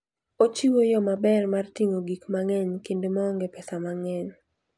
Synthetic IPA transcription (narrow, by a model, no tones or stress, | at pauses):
ot͡ʃiwojɔmabɛrmart̪iŋoɡikmaŋɛɲkendemɔːŋɡepɛsamaŋɛɲ